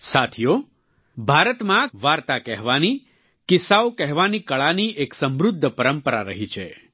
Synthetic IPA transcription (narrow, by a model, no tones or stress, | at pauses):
sat̪ʰijo | bʱaɾət̪mãʋaɾt̪akɛɦʋani | kɪsaokɛɦʋanikəɭaniʔeksəmɾʊd̪ʱːpəɾəmpəɾaɾəɦit͡ʃʰe